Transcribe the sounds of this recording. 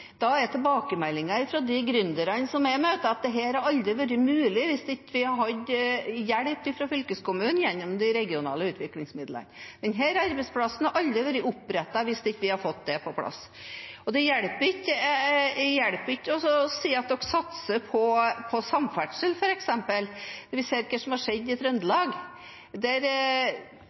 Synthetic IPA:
d̪̥ɑɛɾt̪ʰɛbɑːkəmɛlːɪŋɑɪfɾɔd̪ɪɡɾʏnd̪əɾənəsɔmɛɪmøːt̪əɑt̪̚d̪ɛɦæːɾæɾɑld̪ɾɪʋæːɾɪmʉːlɪʋɪsd̪ɛɪkːəʋɪhɑɾɦɑd̪jæɽpt̪ɪfɾɑfʏlkəskʊmʉːnjɛnːɔmd̪ɪɾɛɡɪʊnɑ̰ːləʉːt̪ʋɪklɪŋsmɪd̪lə̰nd̪ɛnɦæːɾɑɾbɛɪt̪spʰlɑsən̩ɑɾʔɑld̪ɾɪʋæːɾɪʊpːɾɛt̪ːɑʋɪsd̪ɛɪkːʋɪhɑɾfɔt̪̚ːd̪ɛpʰɔpʰlɑ̰s | ɔd̪ɛjæɽpəɾɪkːə | jæɽpəɪtːɔsɔsiːɑt̪nɔkːsɑt̪səpʰɔpʰɔsɑmfæʈʂəlfɔɾɛksɛmpəld̪ɛʋɪseːɾɪkːəsɔmhɑɾʂɛd̪ːɪɛt̪ɾʉnd̪əlɑːɡ | d̪æɾ

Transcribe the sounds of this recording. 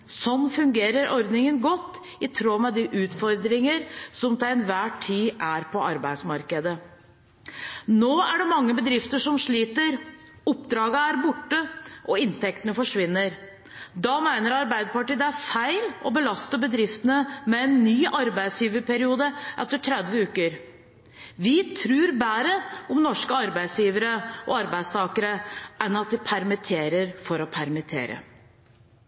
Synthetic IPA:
sɔnfʉŋɡeːɾəɾʔɔɾd̪nɪŋənɡɔt̪ː | ɪt̪ʰɾoːmɛd̪iʔʉːt̪fɔɾd̪ɾɪŋəɾsɔmt̪ʰɛlɛnʋæːʈʰːiːʔæɾpʰɔɑɾbæɪd̪smɑɾkəd̪ə | noːæɖɛmɑŋːəbəd̪ɾɪft̪əʂɔmʂɭiːt̪əɾ | ɔpːd̪ɾɑːɡəæɾbʊʈːəʔɔɪnt̪ɛkt̪ənəfɔʂʋɪnːəɾ | d̪ɑːmæɪnəɾɑɾbæɪd̪əpɑʈiːd̪ɛæɾfæɪlɔbəlɑst̪əbəd̪ɾɪft̪ənəmɛɛnːyːʔɑɾbæɪd̪sjiːʋəɾpʰæɾɪuːd̪əʔɛt̪ːəʈʰɾɛd̪ʋəʉːkəɾ | ʋɪt̪ʰɾʉːɾbæːɾəɔmnɔʂkəɑɾbæɪd̪sjiːʋəɾəʔɔɑɾbæɪd̪st̪ʰɑːkəɾəʔɛnɑt̪̚d̪ɪpʰæɾmɪt̪ʰeːɾəɾfɔɾɔpʰæɾmɪt̪ʰḛːɾə̰

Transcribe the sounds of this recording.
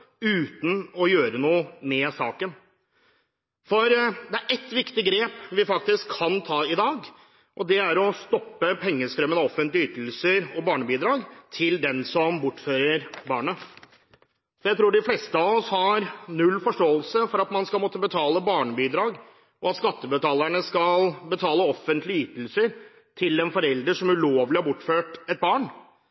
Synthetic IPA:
ʉːt̪n̩ɔjøːɾənuːəmɛsɑːkən | fɔɾd̪ɛæɾʔɛt̪ːʋɪkt̪ɪɡɾeːpʋɪfɑk̚t̪ɪskʰːɑnt̪ʰɑːɪd̪ɑːɡ | ʔɔd̪ɛæɾɔst̪ɔpːəpʰɛŋːəst̪ɾœmənɔfənt̪lɪyːt̪l̩səɾɔbɑːɳəbiːd̪ɾɑːɡt̪ʰɪld̪ɛnsɔmbʊʈːføːɾəɾbɑːɳə | sɔjæɪt̪ɾuːɖɪflɛst̪əɑʋɔshɑɾnʉlːfɔʂʈoːəlsəfɔɾɑt̪mɑnskɑlmoːt̪ːəbət̪ʰɑːləbɑːɳəbiːd̪ɾɑːɡ | ʔɔɑt̪skɑt̪ːəbət̪ʰɑːlæɳəskɑlbət̪ʰɑːləɔfənt̪ʰlɪyːt̪l̩səɾ | t̪ʰɪlɛnfɔɾɛld̪ɾəʂɔmʉloːʋlɪhɑɾbʊʈːføːʈɛt̪̚bɑːɳ

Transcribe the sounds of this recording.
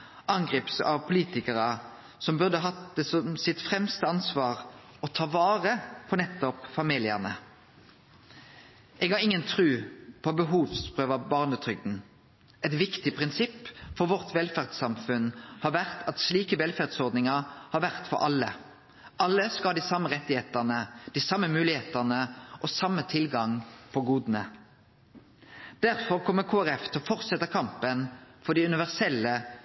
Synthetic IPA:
ʔɑŋɡʁiːpsɑ̰ʋpʰʊliːt̪ɪkəʁə | sɔmbʉʁd̪əɦɑt̪d̪əsɔmsɪt̪fʁɛmst̪əɑnsʋɑːʁ | ɔt̪ʰɑːʋɑːʁəpʰɔnɛt̪ːɔpfɑmiːlɪəʁnə̰ | ʔeːɡɑʁɪŋːənt̪ʰʁʉːpʰɔbəɦuːʋspʁøːʋɑbɑːʁnət̪ʰʁʏɡ̚d̪n̩ | ɛt̪ʋɪkt̪ɪpʰʁɪnsɪpːfɔʁʋɔʁt̪ʋɛlfæʁd̪sɑmfʉnhɑːʋæʁt̪ʰɑt̪sliːkəʋɛlfæʁd̪sɔʁd̪nɪŋəhɑːʁʋæʁt̪fɔ̰ɾʔɑlːə | ʔɑlːəskɑd̪iːsɑmːəʁɛt̪ːɪheːt̪əʁnəd̪̥iːsɑmːəmʉːlɪheːt̪əʁnəʔɔsɑmːət̪ʰɪlɡɑŋpʰɔɡuːd̪nə | d̪̥æʁfɔʁkʰɔmːəkʰoːæʁɛft̪ʰɛɔfɔʁsɛt̪ːəkʰɑmpənfɔʁd̪iːʉnɪʋæʁsɛlːə

